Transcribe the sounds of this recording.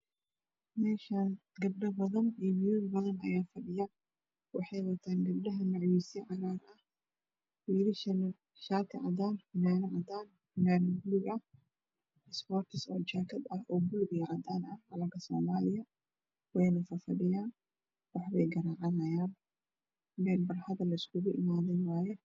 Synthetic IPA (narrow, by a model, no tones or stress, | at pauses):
mɛːʃaːn | ɡɐb̚ɖɐbɐðɐnimjubɐðɐnɐ̰jaːfɐɗɪjaː | wɑħɑjwɐt̪ʰaːnɡɐb̚dɐɦɐmɐʕwisɛʕɑɾaːɾʔɐh | wilɪ | ʃaːt̪ʰɪʕa̰d̪aːnħʊnaːnɐʕɐd̪aːn | hʊnaːnɐɡlɪɡʔɐh | ɪsbɔːrt̪ʰɪsɔːt͡ʃaːkʰɐd̪ɐhʔɔːɡʊlbɪɣɐʕɐd̪aːnɐhʕɐlɐŋkʰɐsɔːmaːlɪjɐ | wɛjnɐfɐfɐɗɪjaːn | wɑħβɛjɡɐɾaːʕɑnɐjaːn | mɛːlbɐrhɐðɐlːɐɪskʰʊɣʊʔɪ̰maːðɛjwaːjɛ